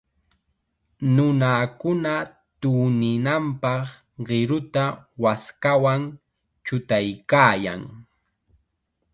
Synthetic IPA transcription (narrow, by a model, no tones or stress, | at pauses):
nʊnakʊna | t̪uːnɪnampɑχ | ɢɪɾʊt̪awaskawaŋ | t͡ʃʊt̪ajkaːja̰ŋ